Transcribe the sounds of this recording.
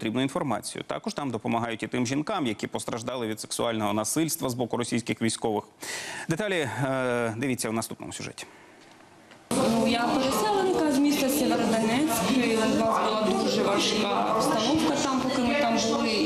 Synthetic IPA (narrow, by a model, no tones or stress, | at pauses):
ɔt̪ɾʲibnʊinfɔrmɑ̰t͡sʲḭjʊ̰t̪ɑ̰kɔʃt̪ɑmd̪ɔpɔmɐɦɑjʊtʲit̪ɪmʒʲinkɑmjɐkʲipɔst̪ɾɐʒd̪ɑlˠɪʋʲid̪se̥ksʊɑlʲnɔɦɔnɐsɪlʲst̪ʋɐzbɔkʊɾɔsʲijsʲkɪxʋʲijsʲkɔʋɪxd̪et̪ɑlʲi | d̪ɪʋʲit͡sʲːɐwnɐst̪upnɔ̰mʊsʲʊʒɛ̰tʲi̥ | nujapeɾesɛlˠenɪkɐzmʲist̪ʲɐsʲeʋeɾɔd̪ɐnɛt͡sʲkɪzʋɑzbʊlˠɑd̪uʒɛʋɐʃkɑpst̪ɐnɔwkɐt̪ɑmpɔkɪmɪt̪ɑmbʊlˠɪ